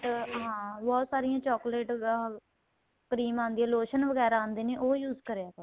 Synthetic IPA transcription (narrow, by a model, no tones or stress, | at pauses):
ɦãːbɔːt̪saːɾɪjãːt͡ʃɔːkleːʈ | kəɾiːmãːnd̪iɛ̃ːloːʃənʋəɡɛːɾaãːnd̪eːneːʔoːjuːzkəɾeːaːt̪oː